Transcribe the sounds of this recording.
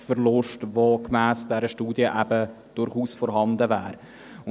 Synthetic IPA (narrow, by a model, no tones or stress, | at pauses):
fəɾlʊʃtʋokmæːsd̥ɛɾəʃtuːdjəʔæb̥ə | d̥ʊɾχuːsfɔɾɦɑndəvæːɾ | ʊ